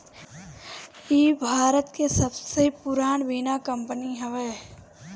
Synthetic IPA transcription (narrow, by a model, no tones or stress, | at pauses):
jiːbʱaːɾət̪kesəbseipʊɾaːnʋiːnakə̃mpəniɦɛʋeː